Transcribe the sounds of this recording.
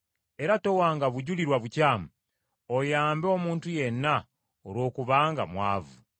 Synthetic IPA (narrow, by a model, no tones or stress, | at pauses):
e̞ɾato̞waːŋɡaβuɟuliɾwaβucaːmu | ojaːmboːmuːntuje̞nːa | oɾwo̞ːkuβaːŋɡamwa̰ːvu